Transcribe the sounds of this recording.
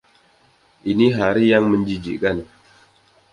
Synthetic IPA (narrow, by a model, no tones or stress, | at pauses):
ʔiniɦaɾijaŋməɲd͡ʒid͡ʒḭkan